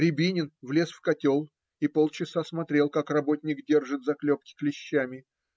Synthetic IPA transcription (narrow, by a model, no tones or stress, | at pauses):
ɾʲɪbʲinʲɪnvlʲe̞sfkɐtʲo̞lˠ | ipo̞lˠt͡ɕɪsasmɐt̪ɾʲe̞lˠkakrɐbo̞tʲnʲɪkdʲe̞rʐɨt̪zɐklʲop̚kʲɪ̥klʲɪɕːæmʲɪ